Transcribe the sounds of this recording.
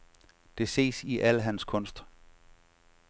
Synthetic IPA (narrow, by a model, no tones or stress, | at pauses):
d̥e̝se̝̰ːsiʔæləɦænskʰɔ̽n̰sd̥